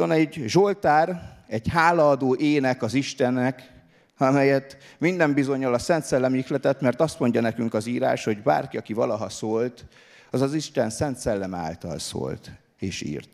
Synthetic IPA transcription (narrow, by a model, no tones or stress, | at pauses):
onɛɟʒolt̪aːrɛɟhaːlɒːd̪oːʔeːnɛkɒziʃt̪ɛnːɛk | ɒmɛjɛt̪mind̪ɛmbizo̞ɲːɒlɒsɛnt̪sɛlːɛmixlɛt̪ɛt̪mɛrt̪ɒst̪mo̞ɲɟɒnɛkyŋkɒziːɾa̰ːʃho̞ɟba̰ːrkiɒkivɒlɒɦɒsoːlt̪ | ɒzɒziʃt̪ɛnsɛnt̪sɛlːɛma̰ːlt̪ɒ̰lso̰ːlt̪ | eːʃḭːrt̪